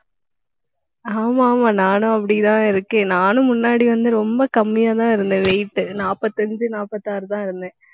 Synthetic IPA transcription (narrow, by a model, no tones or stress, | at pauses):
aːmaːmaːnaːnɯ̃ɐpːɐɽɪt̪ãːɪɾɯkːẽːnaːnɯ̃mʊnːaːɽiʋɐnd̪ɯɾɔmbɐkɐmːɪjaːt̪̬ãːɪɾɯnd̪ɯ̃ʋɛjʈːɯnaːpɐt̪ːɐnd͡ʒɯnaːpɐt̪ːaːɾɯt̪ãːɪɾɯnd̪ẽː